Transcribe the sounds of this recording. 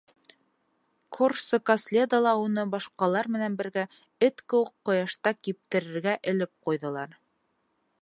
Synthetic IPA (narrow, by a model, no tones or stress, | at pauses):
kʰorsokɐslʲed̪ɑlˠɑunɤbɑʃqɑlˠɑɾmɘ̆nænbɘ̆ɾɡæ | ɘt̪kɘ̆wɘqːŏjɑʃt̪ɑkip̚t̪ɘ̆ɾɘ̆ɾɡæʔɘ̆lɘp̚qujðɤ̆lˠɑɾ